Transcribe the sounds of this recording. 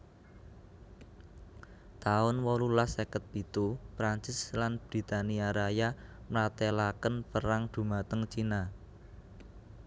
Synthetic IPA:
t̪aʊnwɔlulasekət̪̚b̥i̤t̪upɾaɲt͡ʃɪslanb̥ɾi̤t̪aniaɾajamlat̪elakənpəɾaŋd̪̥ṳmat̪əŋt͡ʃina

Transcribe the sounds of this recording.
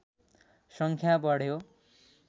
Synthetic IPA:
sʌŋkʰjabʌɽjo

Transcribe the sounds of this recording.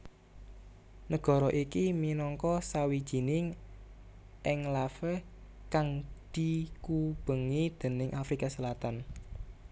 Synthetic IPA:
nəɡ̥ɔ̤ɾɔʔikiminɔŋkɔsawid̥ʒ̥i̤nɪŋ | ʔɪŋlafəh | kaŋd̪̥i̤kub̥ə̤ŋid̪̥ə̤nɪŋʔafɾikasəlat̪an

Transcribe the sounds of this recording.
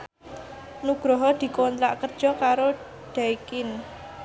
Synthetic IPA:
nuɡ̥ɾɔɦɔd̪̥i̤kont̪ɾaʔkərd̥ʒ̥ɔ̤kaɾo | ɖ̪̥aikɪn

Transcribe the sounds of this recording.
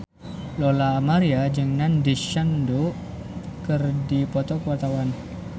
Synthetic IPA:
lolaːmaɾiad͡ʒəŋandiʃandu | kərdipɔt̪ɔkəwart̪awan

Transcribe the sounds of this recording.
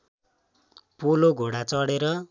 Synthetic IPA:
puloɡʱoɽat͡sʌɽeɾʌ

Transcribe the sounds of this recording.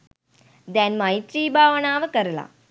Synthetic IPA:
d̪ɛnmait̪ɾiːbʱaːʋɐɳaːʋəkɐɾla̰ː

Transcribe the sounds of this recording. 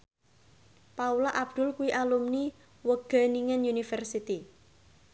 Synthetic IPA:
paulaʔab̥̚d̪̥ʊ̤lkuwiʔalumni | wəɡ̥a̤niŋɛnjunifərsit̪i

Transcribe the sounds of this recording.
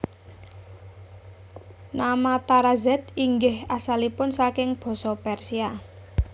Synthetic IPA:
namat̪aɾazɛt̪̚iŋɡɪhasalipʊnsakɪŋb̥ɔ̤sɔpɛrsia

